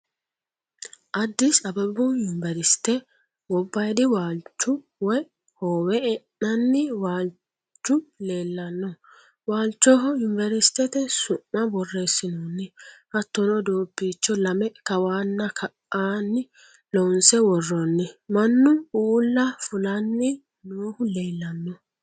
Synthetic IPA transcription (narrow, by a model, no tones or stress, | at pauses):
ʔɐd̪ːɪsɐbɐbʊjʊnvɛɾɪst̪ɛ | wɔbːɐjd̪ɪwaːlt͡ʃːʊ | wɔj | hoːwɛɛnːɐnːɪwaːl | t͡ʃːʊle̞ːlːɐnːɔ | waːlt͡ʃːɔɦɔjʊnvɛɾɪst̪ɛt̪ɛsʊmːɐbɔrːeːsɪnonːɪhɐt̪ːɔnɔd̪oːbːiːt͡ʃːɔlɐmɛkɐwaːnːɐkʰɐʔaːnːɪ | lɔnsɛwɔrːɔnːɪmɐnːʊuːlːɐfʊlɐnːɪ | noːhʊle̞ːlːɐnːɔ